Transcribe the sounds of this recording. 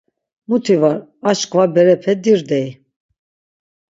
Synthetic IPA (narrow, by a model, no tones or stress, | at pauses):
mut̪ʰivaɾat͡ʃkʼvabɛɾɛpʰɛd̪iɾd̪ɛi